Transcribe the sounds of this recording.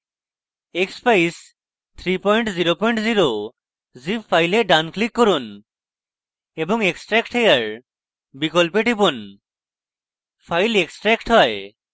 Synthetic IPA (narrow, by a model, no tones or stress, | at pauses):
ekspʰajs | t̪ʰɾipɔjɳʈziɾopɔjɳʈziɾo | zipʰːajleɖanklikːɔɾun | ebɔŋeksʈɾɛkʈʰejaɹ | bikɔlpeʈipun | pʰajleksʈɾɛkʈɦɔj